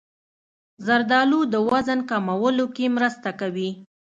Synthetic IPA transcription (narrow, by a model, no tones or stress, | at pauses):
zaɾd̪ɑlod̪əwazankamawəlokemɾəst̪akawi